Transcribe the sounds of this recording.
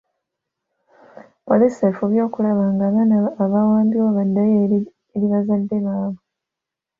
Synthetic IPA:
polisefuβjo̞ːkulaβaŋɡaβanaːβawaːmbiwaβadːaje | eɾiβazadːeβaaβu

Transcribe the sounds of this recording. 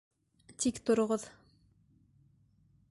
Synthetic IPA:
t̪ikt̪ŏɾŏʁɤð̥

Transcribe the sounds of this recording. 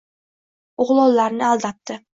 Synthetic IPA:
ʊʁlˠɒlˠlːaɾnɪalˠd̪ɑt̪ːɪ

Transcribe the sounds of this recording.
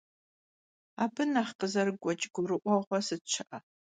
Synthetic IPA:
aːbɨnaχqəzɐrɨɡʷɔt͡ʃʼɡʷʊrɨʔʷɔʁʷɐsɨt͡ʃʰɨʔɐ

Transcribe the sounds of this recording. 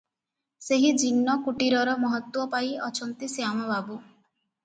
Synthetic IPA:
seɦid͡ʒinːɔkuʈiɾɔɾɔmɔɦɔt̪wɔpajɔt͡ʃʰɔnt̪isiamɔbabu

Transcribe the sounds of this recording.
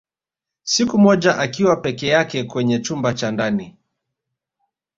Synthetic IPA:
sikumɔʄaʔakiwapɛkɛjakɛkwɛɲɛt͡ʃumbat͡ʃandani

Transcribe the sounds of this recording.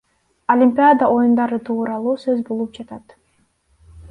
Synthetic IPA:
olʲimʲpʲɪjad̪aʔo̞jund̪ɑɾɯt̪ʰuːɾɑlˠuːsø̞zbolˠup̚d͡ʒɑt̪ɑt̪

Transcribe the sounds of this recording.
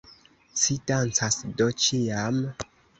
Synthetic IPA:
sidant͡sasdot͡ʃiam

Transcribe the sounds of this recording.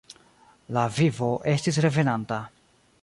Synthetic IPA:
lavivo̞ʔe̞stis̬ɾe̞ve̞nanta

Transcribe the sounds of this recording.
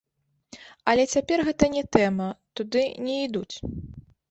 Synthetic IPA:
ɐlʲɛt͡sʲapʲɛrɣɛt̪ɐnʲɛt̪ɛmɐt̪ud̪ɨnʲɛid̪ut͡sʲ

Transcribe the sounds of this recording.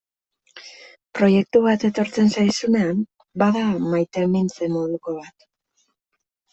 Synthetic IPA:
pɾo̞je̞k̚t̪uβat̪e̞t̪o̞ɾt͡se̞nsajsune̞am | baðamajt̪emint͡se̞mo̞ðuko̞βat̪

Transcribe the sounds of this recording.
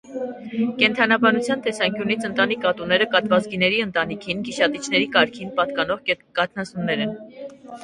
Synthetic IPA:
kɛnt̪ʰɑnɑbɑnut͡sʰjɑnt̪ɛsɑŋkjunit͡sʰənt̪ɑnikɑt̪unɛɾəkɑt̪vɑt͡sɡinɛɾiənt̪ɑnikʰinkiʃɑt̪it͡ʃʰnɛɾikɑɾkʰinpɑt̪kɑnɔʁkɑt̪ʰnɑsumnɛɾɛn

